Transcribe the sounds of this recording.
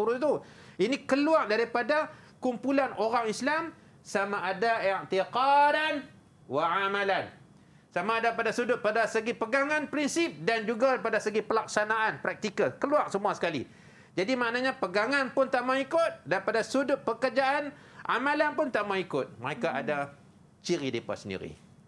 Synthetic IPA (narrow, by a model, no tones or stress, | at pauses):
t̪uɾʊt̪uinikəluaʔdaɾipada | kumpulanoɾaŋislam | samaʔadait̪iqɑdan | waʕamãlan | samaːdapadasudʊt̪̚padasəɡipəɡaŋanpɾinsɪp̚dand͡ʒuɡapadasəɡipəlak̚sanaʔanpɾak̚t̪ikakəluaʔsəmuasə̥kalḭ | d͡ʒadimãʔnaɲapəɡaŋanpʊnt̪aʔmaikʊt̪̚daɾipadasudʊt̪̚pəkərd͡ʒaʔan | a̰mãlanpʊnt̪aʔmaikʊt̪̚məɾekaʔada | t͡ʃiɾidepa̰tsəndḭɾḭ